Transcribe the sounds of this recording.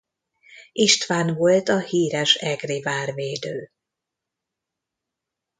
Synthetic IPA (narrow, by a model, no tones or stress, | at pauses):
iʃt̪ʋaːnvo̞lt̪ɒhiːɾɛʃɛɡrivaːrveːd̪øː